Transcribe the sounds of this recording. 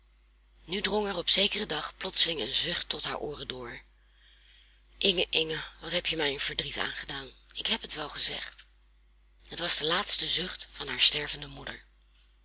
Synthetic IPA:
nydrɔŋɛɹɔpsejkərədɑχplɔtsəlɪŋənzʏχtːɔtɦa̰ːɹʔʊːrədʊːɹ | ʔɪŋəʔɪŋəʋɑtɦɛpjəmɛjənv̥əɹdrita̰ːnχədaːnɪkɦɛpɦətʋɛlˠχəzɛ̰χt | ɦətʋɑzdəlaːtstəzɵχtfɑnɦaːɹstɛɹvəndəmudəɹ

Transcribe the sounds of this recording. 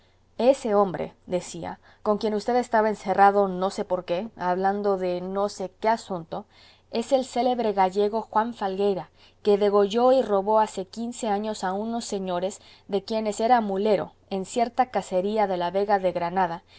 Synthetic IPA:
e̞se̞o̞mbɾḛðe̞sia̰ | ko̞ŋkje̞nust̪e̞ðest̪aβaense̞raðono̞se̞po̞ɾke̞aβland̪o̞ðe̞no̞se̞ke̞asũnt̪o̞ | e̞se̞lse̞le̞βɾe̞ɣaʝe̞ɣo̞xwaɱfalɡe̞jɾa | ke̞ðe̞ɣo̞ʝo̞iro̞βo̞ase̞kinse̞aɲo̞sauno̞sːe̞ɲo̞ɾe̞z | ðe̞kje̞ne̞se̞ɾamule̞ɾo̞̰ | e̞nsje̞ɾt̪akase̞ɾiaðe̞laβe̞ɣaðe̞ɣɾanaða

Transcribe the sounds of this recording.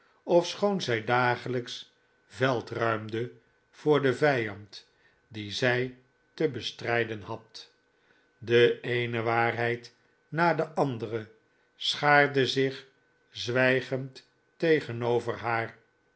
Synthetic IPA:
ɔfsχownzɛjdaːχələks | vɛlˠtrœɥmdə | v̥ʊːɹdəvɛjɑnt | dizɛj | təbəstrɛjdənhɑt | dəejnəʋaːrɦɛjt | naːdəʔɑndərə | sχaːɹdəzɪχ | zʋɛjχəntː | ejχənowvərɦaːr

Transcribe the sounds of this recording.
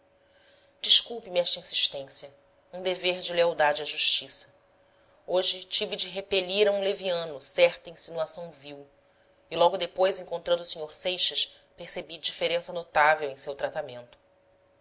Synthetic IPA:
d͡ʒiʃkuwpimɛʃt̪ɐĩsiʃt̪ẽsiɐ | ũd̪eveɾd͡ʒɪleawd̪ad͡ʒɪɐʒuʃt͡ʃisɐ̥ | oʒɪt͡ʃivid͡ʒɪɦepeʎiɾɐũleviɐ̃nʊsɛχt̪ɐĩsinuasɐ̃w̃viw | ilɔɡʊd̪epojzẽŋkõnt̪ɾɐ̃d̪ʊusĩɲoɾsejʃɐʃ | peɾsebid͡ʒifeɾẽsɐnot̪avewẽj̃sewt̪ɾat̪amẽnt̪ʊ̥

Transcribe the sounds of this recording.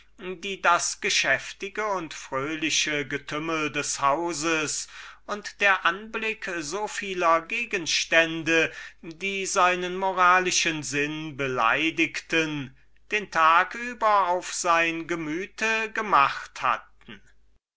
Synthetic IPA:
diːdasɡ̥əʃɛftɪɡəʊntfʁ̥øːlɪʃəɡətʰʏməldɛshaʊzəsʊntd̥eːɐʔanblɪkzofiːlɐɡeːɡənʃtɛndədiːzaɪnənmoʁaːlɪʃənzɪnbəla̰ɪdɪktən | d̥eːntʰaːkyːbɐaʊfz̥aɪnɡəmyːtʰəɡəmaχtha̰t̚ | n̩

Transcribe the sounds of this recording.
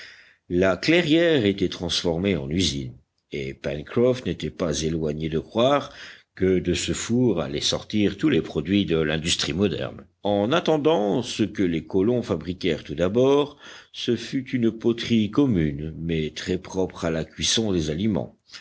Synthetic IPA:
laklɛʁjɛʁet̪ɛt̪χɑ̃sfɔʁmeɑ̰̃nyzḭn | epɛnkχɔfnet̪ɛpazelwaɲed̪əkχwaʁkəd̪əsəfuʁa̰lɛsɔ̰ʁt̪iʁt̪ulepχɔd̪ɥid̪əlɛ̃d̪yst̪χimɔd̪ɛ̰ʁn | ɑ̃nat̪ɑ̃d̪ɑ̃səkəlekɔlɔ̃fabʁikʲɛʁt̪ud̪abɔʁsəfyt̪ynpot̪χikɔmynmɛt̪χɛpχɔpχalakʲɥisɔ̃d̪ezalimɑ̰̃

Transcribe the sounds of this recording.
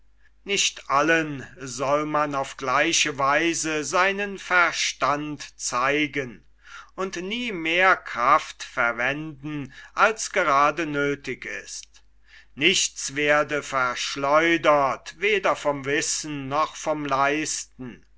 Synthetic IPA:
nɪɕtʔalənzɔlmanaʊfɡ̥laɪʃəvaɪzəzaɪnənfɛɐʃtantt͡saɪɡən | ʊntniːmeːɐkʁ̥aftfɛɐvɛndn̩ʔalsɡ̥əʁaːdənøːtɪkɪ̰st | nɪçt͡sv̥eːɐdəfɛɐʃlɔʏdɐtveːdɐfɔmvɪsn̩ːɔχfɔmlaɪstn̩

